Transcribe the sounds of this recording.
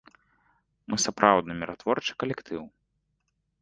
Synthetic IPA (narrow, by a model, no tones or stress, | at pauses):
mɨsapɾʔawd̪nɐmʲiɾʔat̪vɔrt͡ʂɨ̥kɐlʲɛkt̪ʰɨw